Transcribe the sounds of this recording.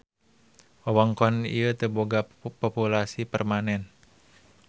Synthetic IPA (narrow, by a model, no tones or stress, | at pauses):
ʔɔwɔŋkɔnḭət̪əboɡapɔpulasipərmanɛn